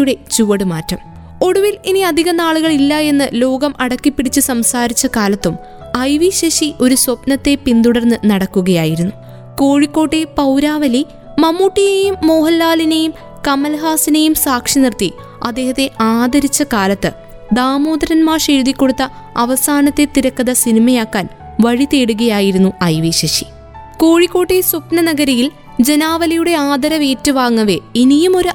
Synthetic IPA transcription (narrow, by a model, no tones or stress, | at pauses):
uɽe̞t͡ɕuʋɐɽɨmaːtːɐm | o̞ɽuʋiliniɐd̪ʱiɣɐnaːɭuɣɐɭilːɐe̞nːɨlo̞ːɡɐmʔɐɽɐkːipːiɽit͡ɕːɨsɐmsaːɾit͡ɕːɐkaːlɐt̪ːum | ɐjʋiɕɐʂiʔo̞ɾuswɐpnɐt̪ːe̞pind̪uɽɐrnːɨnɐɽɐkːuɣɐjaːjiɾunːu | ko̞ːɻikːo̞ːʈːepɐwɾaːʋɐli | mɐmuːʈːijejumːo̞ːhɐlːaːlinejum | kɐmɐlɦaːsinejumsaːkʂinirt̪ːi | ɐd̪ːe̞ːhɐðe̞aːd̪ɐɾit͡ɕːɐkaːlɐt̪ːɨ | d̪aːmoːd̪ɐɾɐnmaːrʂeːɾd̪ikʲːo̞ɽut̪ːɐ | ɐʋɐsaːnɐt̪ːet̪iɾɐkːɐðɐsinimɐjaːkːaːn | ʋɐɻit̪eːɽuɣɐjaːjiɾunːuɐjʋeːɕɐɕi̥ | koːɻikːo̞ːʈːeswɐpnɐnɐɡɐɾɐjil | d͡ʑe̞naːʋɐlɐjuɽe̞aːd̪ɐɾɐʋeːtːɨʋaːŋːɐʋe̞inijumo̞ɾu